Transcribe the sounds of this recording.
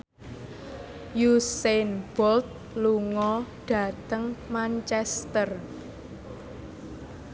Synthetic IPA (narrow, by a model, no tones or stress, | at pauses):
jusenb̥ɔlt̪̚ | luŋɔɖ̥ä̤t̪əŋmant͡ʃɛst̪ər